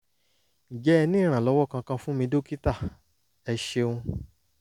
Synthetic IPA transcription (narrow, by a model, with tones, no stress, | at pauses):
d͡ʒɛ˦˧nĩ˦˨ɾ̃ã˨lɔ˨˦wɔ˦˨kã˧kã˧fũ˦mĩ˧do˦ki˦ta˦˨ | ɛ˧ʃe˧ũ˧